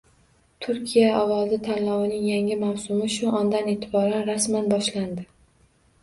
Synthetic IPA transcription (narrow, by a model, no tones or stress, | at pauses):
t̪ʰʊɾkʲʰijaɒwɒzɪt̪ʰanlɒwɪnɪŋjaŋɪmawsʊmɪʃʊʔɒnd̪ane̞t̪ʰɪbɒɾanɾasmanbɒʃland̪ɪ